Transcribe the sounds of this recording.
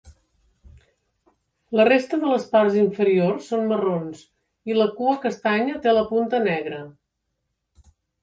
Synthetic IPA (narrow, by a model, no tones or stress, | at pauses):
lərest̪əðələsparziɱfəɾiorsːonmərons | iləkuəkəst̪aɲət̪eləpunt̪ənɛɣɾə